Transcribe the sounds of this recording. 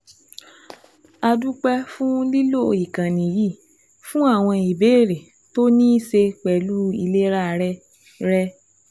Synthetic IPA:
a˧du˦k͡pɛ˦fũ˦li˦lo˦˨i˨kã˨nĩ˨ji˦˨ | fũ˦a˦˨w̃ɔ̃˧i˨be˨˦˨ɾe˨ | to˦nĩ˦se˧k͡pɛ˨lu˦i˧le˦ɾa˦˧ɾɛ˦ | ɾɛ˦

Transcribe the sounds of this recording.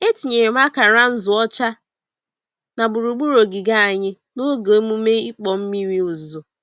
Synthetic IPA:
e˦ti˨ɲe˨ɾe˨m˦a˦ka˨ɾa˦n̩˦zʊ˨ɔ˦t͡ʃa˦ | na˨bu˨ɾu˨ɡ͡bu˦ɾo˨ɡɪ˨ɡa˦a˨ɲɪ˦ | no˦ɡe˨o˦mu˦me˦i˦k͡pɔ˨m̩˦mi˦ɾi˦u˨zʊ˨

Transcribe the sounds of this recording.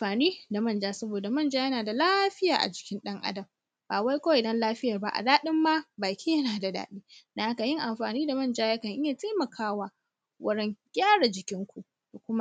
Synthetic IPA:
ɸaː˨niː˦da˨mɐ˦˨nd͡ʒaː˦sɐ˦boː˨da˨mɐ˦˨nd͡ʒaː˦jɐ˦naː˨da˨laː˦ɸɪ˦ja̰ː˨ʔa̰˨d͡ʒɪ˨˦kʲɪ˦nɗɐ˦ŋʔa̰˦dɐ˨m | b̥aː˨wa˦jkʷɐ˦wʔɪ˨dɐ˦nlaː˦ɸɪ˦jɐ˨rba˦˨ʔa̰˨daː˦ɗɪ˦mːa˦baː˨kʲiː˦jɐ˦naː˨da˨da̰ː˨ɗiː˦na˨ha˦ka˨jɪ˦ŋʔa˨mɸaː˨niː˦da˨mɐ˦˨nd͡ʒaː˦jɐ˦kɐ˨ŋʔɪ˦jaː˨teː˦mɐ˨kʰaː˦waː˦ | wʔɐ˦ɾɛ˦ŋɡʲaː˦ɽa˨d͡ʒɪ˨kʲɪ˦ŋkʷu˨ʔ | ku˨kʷʊ˦ma˦ʔ

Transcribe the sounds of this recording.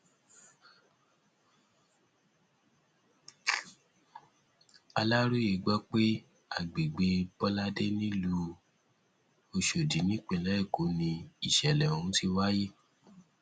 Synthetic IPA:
a˧la˦ɾu˦je˨ɡ͡bɔ˦k͡pe˦ | a˦˨ɡ͡be˨ɡ͡be˧bɔ˦la˦de˦nĩ˦lu˧ | o˧ʃo˨di˨˦nĩ˦k͡pẽ˨lɛ˨˦i˦˨ko˨˦nĩ˧i˨ʃɛ˨lɛ˨o˨ũ˨˦ti˧wa˦je˦

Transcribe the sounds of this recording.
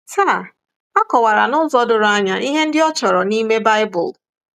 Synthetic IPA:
sa˦˨ | a˦kɔ˨wa˨ɾa̰˨nʊ˦zɔ˦dʊ˨ɾʊ˨˦a˦ɲa˨ʔi˦ɦe˦n̩˦dɪ˦ɔ˦t͡ʃɔ˨ɾɔ˨ni˦me˦ba˦ɪ˦bʊ˨l

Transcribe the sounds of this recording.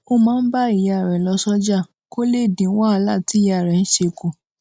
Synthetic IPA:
o˧mãː˦n̩˦ba˦i˨ja˨ɾɛ˨lɔ˧sɔ˦d͡ʒa˦˨ | ko˦le˦˨dĩ˨˦wa˦˧˦la˦˨ti˨˦˨ja˦˨ɾɛ˨n̩˦ʃe˧ko˨

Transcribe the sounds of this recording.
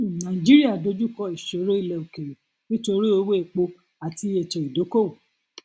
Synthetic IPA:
nã˨i˨d͡ʒi˦ɾi˦a˦˨do˧˦d͡ʒu˦kɔ˧i˨ʃo˨˦ɾo˦i˦˨lɛ˨o˨ke˨ɾe˨ | ki˦to˧ɾi˦o˧˦we˦˨k͡po˧ | a˨ti˧e˨t͡ʃɛ˨i˨do˨˦ko˦˨

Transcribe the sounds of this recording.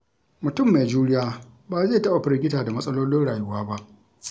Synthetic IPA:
mʊ˨tʊ˦˨mːe˨d͡ʒuː˦ɽɪ˦jaː˦ | baː˨zeː˦˨tɐ˦ɓa˨ɸɪ˦ɾɪ˦ɡʲɪ˦taː˨da˨mɐ˦sʼɐ˦loː˦lɪ˦nɽaː˨jʊ˦waː˦ba˦ʔ

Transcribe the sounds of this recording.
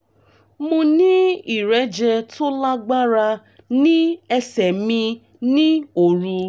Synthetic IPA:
mõ˧nĩ˦i˦˨ɾɛ˨˦d͡ʒɛ˧to˦la˦ɡ͡ba˦ɾa˧ | nĩ˦ɛ˧sɛ˨mĩ˧ | nĩ˦o˨ɾũ˧

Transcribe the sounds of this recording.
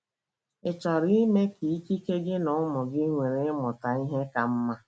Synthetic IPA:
ɪ˨t͡ʃa˨ɾi˦me˦ki˨i˦ki˦ke˦ɡɪ˦nʊ˨˦mʊ˨ɡɪ˦ŋʷe˨ɾe˨ɪ˦mʊ˨ta˨i˦ɦe˦ka˨m̩˦ma˦

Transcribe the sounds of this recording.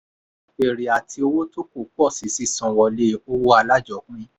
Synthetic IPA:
e˨ɾi˨a˨tʰi˧o˧wo˦to˦ko˨k͡pɔ˦˨si˨˦si˨˧sɔ̃˨wɔ˧le˦o˦wo˦a˧la˦d͡ʒɔ˨k͡pĩ˦

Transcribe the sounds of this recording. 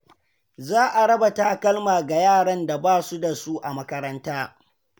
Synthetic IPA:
zaː˦ʔa˨ɽɐ˦bɐ˨taː˦kɐ˦lmaː˨ɡa˨jaː˦˨ɽɐ˦nda˨baː˦su˦da˨su˦ʔa˨mɐ˦kɐ˦ɾɐ˦ntaː˦

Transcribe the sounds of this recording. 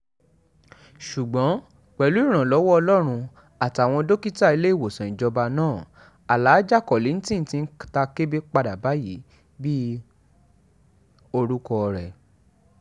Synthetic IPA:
ʃu˨ɡ͡bɔ̃˨˦ | k͡pɛ˨lu˨˦i˦˨ɾ̃ã˨lɔ˨˦wɔ˦ɔ˧lɔ˦ɾ̃ũ˧ | a˨ta˨w̃ɔ̃˧do˦ki˦ta˦˨i˧le˦i˦˨wo˨sã˨ĩ˨d͡ʒɔ˧ba˧nãː˦˨ | a˨laː˨˦d͡ʒa˦˨kɔ˨li˨˦ñ̩˦tĩ˦n̩˦tĩ˧n̩˦ta˧ke˦be˦k͡pa˧da˨ba˨˦ji˨˦ | bi˦ | o˧ɾu˦kɔ˧ɾɛ˨

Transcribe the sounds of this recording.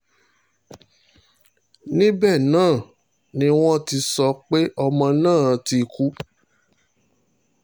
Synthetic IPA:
nĩ˦bɛ˦˨nãː˦˨ | nĩ˦w̃ɔ̃˦ti˧sɔ˧k͡pe˦ʔɔ˧mɔ̃˧nãː˦˨˧ti˧ku˦

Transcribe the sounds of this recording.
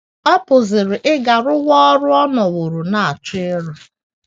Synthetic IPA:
ɔ˦pʊ˨zɪ˨ɾɪ˨ʔɪ˦ɡa˨ɾʊ˦ɣɔ˦ɔ˦ɾʊ˦ɔ˦nɔ˨wʊ˨ɾʊ˨na˨a˨t͡ʃɪ˦ɪ˦ɾʊ˦

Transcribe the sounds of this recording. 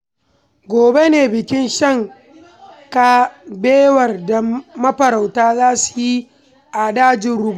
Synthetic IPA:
ɡʷoː˨be˦neː˨bɪ˨kʲɪ˦nʃɐ˦ŋ | ka˦beː˦wɐ˨rda˨mɐ˦ɸɐ˨ɾa˨wtaː˦zaː˦su̥˨ji˦ | ʔa˨daː˦d͡ʒɪ˨nɾʊ˦bu˦˨

